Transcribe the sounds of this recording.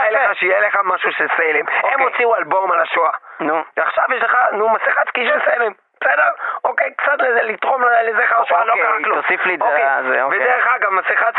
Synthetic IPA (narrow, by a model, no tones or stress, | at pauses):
aleaʃeijeleχamaʃuʃeselememot͡siualbo̞malaʃoanuveaχʃavjeʃleχanumasiχat͡skiʃelselem | b̥esedeʁokejkt͡sat̪lezelit̪ʁo̞mlelezeχaʃalokaʁaklosiflidkzevedeʁeχaɡamːasiχat͡s